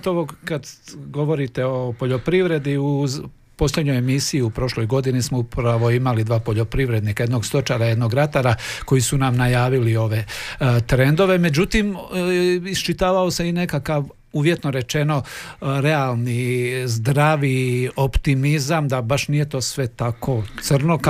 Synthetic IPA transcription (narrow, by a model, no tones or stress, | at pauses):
t̪oʋokad̪ɡo̞ʋo̞ɾit̪e̞o̞poʎo̞pɾiʋɾe̞d̪iu | po̞sʎʲjed̪ɲo̞jemisiiupɾo̞ʃlo̞jɡo̞d̪inismoupɾaʋo̞imalid̪ʋaːpo̞ʎo̞pɾiʋɾe̞d̪nikajed̪no̞ɡst̪o̞t͡ʃaɾaje̞d̪no̞ɡɾat̪aɾako̞jisunamnajaːʋilio̞ʋe̞t̪ɾe̞nd̪o̞ʋe̞me̞d͡ʑut̪im | ist͡ʃit̪aːʋao̞seine̞kakaʋ | uʋje̞t̪no̞ɾe̞t͡ʃe̞no̞ɾe̞alˠnizd̪ɾaʋio̞pt̪imizamd̪abaʃnije̞t̪o̞ːsʋe̞t̪akʰo̞t̪sr̩nok